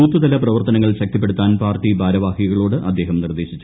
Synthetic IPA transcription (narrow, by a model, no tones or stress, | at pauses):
uːt̪ːɨd̪ɐlɐprɐʋɐrt̪ɐnɐŋːɐɭɕɐk̚t̪ip̬ːe̞ɽut̪ːaːnpaːrtibʱaːɾɐʋaːhiɐɣɐɭoːɽɨʔɐd̪ːe̞ːɦɐmnird̪e̞ːɕit͡ɕːu